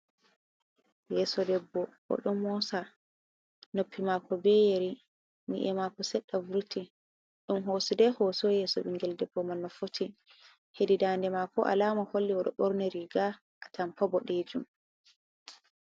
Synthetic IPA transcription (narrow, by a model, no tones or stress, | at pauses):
jɛːsɔdɛbːɔwɔ̰ɗɔmɔsa | nopʰːimakɔbɛjeɾi | nḭʔɛmakɔsɛɗːavuɾtʰi | ɗumɦosidɛhosɔjɛːsɔɓiŋɡɛldɛbːɔmanːɔfotʰi | hedidaːndɛmakɔʔa̰laːmaholːiwɔɗɔ̰ɓɔɾnɛɾiɡa | ʔatampɔbɔɗed͡ʒum